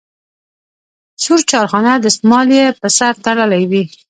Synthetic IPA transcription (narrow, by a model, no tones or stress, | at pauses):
suɾt͡ʃɑɾxɑnad̪əsmɑljepəsaɾt̪aɽəlajwi